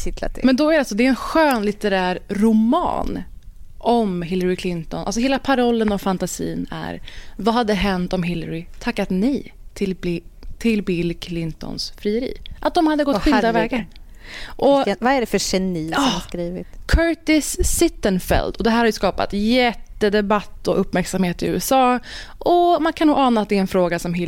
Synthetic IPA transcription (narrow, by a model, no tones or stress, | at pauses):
ɪt̪la̰t̪mɛnd̪ɔæɾɖɛalsɔd̪ɛɛnɧøːnlɪt̪əɾæːɾɾʊmɑ̰ːn | ʔɔmɦɪlːəɾɪkʰlɪnt̪ɔnʔa̰ls̬ɔɦeːlapʰaɾɔlːənɔvfant̪asḭːnæ̰ɾvaɦad̪ːɛɦɛnt̪ɔmɦɪlːəɾɪt̪ʰakːat̪nɛt̪ʰɪlt̪ʰɪlbɪlkʰlɪnt̪ɔ̰nsfɾiːəɾḭːʔat̪̚d̪ɔmhad̪ːəɡɔt̪ːɧɪld̪avɛːɡa | ʔɔvaæɖɛfœɕɛniːɑːskɾiːvɪ̰t̪kʰœʈ̪ɪsːɪt̪ːənfɛ̰ld̪ɔd̪ɛɦæːɾhaɾjʏskɑːpa̰t̪jɛt̪ːəd̪ɛbat̪ːɔʔɵpːmæɾksamheːt̪ɪʉ̟ːɛsɑː | ʔɔmankʰanuːɡɑːnaːt̪d̪ɛɛnfɾoːɡasɔmɦɪ